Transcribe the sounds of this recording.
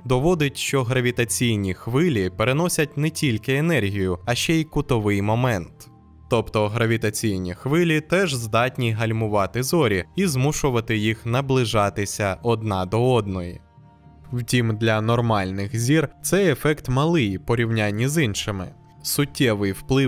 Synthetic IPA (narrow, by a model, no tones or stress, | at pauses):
d̪ɔʋɔd̪ɪtʲʃt͡ʃɔɦɾɐʋʲit̪ɐt͡sʲijnʲixʋɪlʲipeɾenɔsʲɐtʲnɛtʲilʲkɪenɛrɦʲijʊɐʃt͡ʃɛjkʊt̪ɔʋɪjmɔmɛnt̪ː | ɔpt̪ɔɦɾɐʋʲit̪ɐt͡sʲijnʲixʋɪlʲit̪ɛʒzd̪ɑtʲnʲiɦɐlʲmʊʋɑt̪ɪzɔɾʲiizmuʃʊʋɐt̪ɪjixnɐblˠɪʒɑt̪ɪsʲɐʔɔd̪nɑd̪ɔɔd̪nɔjḭ | wtʲimd̪lʲɐnɔrmɑlʲnɪxzʲirt̪sɛjefɛkt̪mɐlˠɪjpɔɾʲiwnʲanʲːizinʃɪmɪ̰ | sʊtʲːɛʋɪjwplˠɪ